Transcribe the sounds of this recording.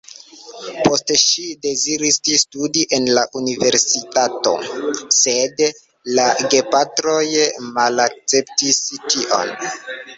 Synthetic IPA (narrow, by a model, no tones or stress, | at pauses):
po̞stʃide̞ziɾististudiʔe̞nlaʔunive̞ɾsitato̞̰se̞d | laɡe̞patɾo̞jmalak̚t͡se̞ptistiʔo̞̰n